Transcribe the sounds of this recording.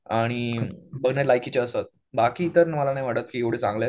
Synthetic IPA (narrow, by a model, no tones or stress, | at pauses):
aɽ̃ibəɡʱnaɾlajkit͡ɕeəsat̪̚ | bakiːt̪əɾnməlanajʋaɽət̪̚kiːeʋɽ̤eːt͡sãŋɡla